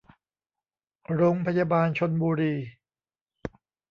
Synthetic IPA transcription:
ɾoː˧ŋpʰa˧jaː˧baː˧nt͡ɕʰo˧nbuː˧ɾiː˧

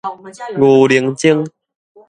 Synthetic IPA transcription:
ŋu˨˩li˨˧˦ŋt͡ɕi˥˧ŋ

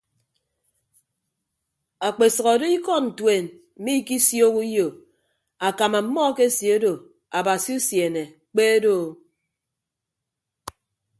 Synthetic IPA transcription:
a˨k͡pe˨sʌ˨ɣɔ˨do˦i˦kɔ˦n̩˨twe˨n | m̩˨mi˦ki˦sjo˦ku˦jo˨ | a˨ka˨ma˨m̩˦mɔ˦ke˦sje˨o˦do˨ | a˨ba˨si˦u˦sje˨ne˨ | k͡pe˦do˦˨

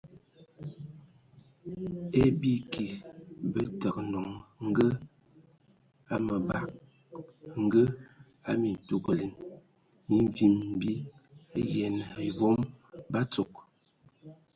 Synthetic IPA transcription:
e˦bi˦ki˨bə˦tə˨k̚nɔ˨ŋŋ̩˦ɡə˦ | a˦mə˨ba˨k̚ | ŋ̩˦ɡə˦ | a˦mi˨n˨tu˦˨ɡə˨le˨n | mi˨ɱ˨vi˨m̩˦bi˦a˦jɛ˨n˨i˨vo˦mba˦t͡so˨k̚

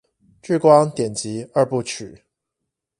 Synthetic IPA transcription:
ʈ͡ʂ̩˥˩kwɑ˥ŋt̪jɛ˨˩nt͡ɕi˨˦ə˥˧pu˥˩t͡ɕʰy˨˩˦

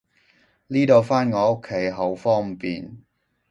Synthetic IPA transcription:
liː˥t̪o˧wfaː˥nŋɔː˨˧o˥kʰːe˨˥jɦɐ˨˧wfɔː˥ŋpḭː˨n

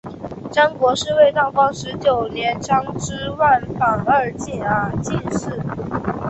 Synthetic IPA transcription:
ʈ͡ʂa˥nkwɔ˧˥ʂɻ̩˥˧we˥˧ɪt̪ɑ˥˩ʊfɑ˥ŋʂɻ̩˧˥t͡ɕjo˨˩ʊnjɛ˧˥nʈ͡ʂʰɑ˥ŋʈ͡ʂɻ̩˥wa˥˩nfa˨˩ŋə˥˧˩t͡ɕɛ˥˩nə˧˥t͡ɕi˥˧nʂɻ̩˥˩

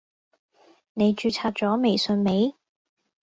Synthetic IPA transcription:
ne˨˧jt͡ʃyː˧t͡sʰaː˧t̚t͡sɔː˨˥me˨˩jsɵ˧nme˨˧˥j

